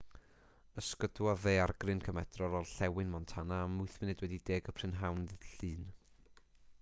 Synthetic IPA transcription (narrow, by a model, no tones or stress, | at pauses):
əskədwɔðeːarɡrɨnkʰəmɛd̥rɔlˠɔlˠɬɛwɨnmɔntʰanaːmʊɨθmɪnɛdwɛdideːɡəpʰr̥ɪnɦawnðəðɬɨːn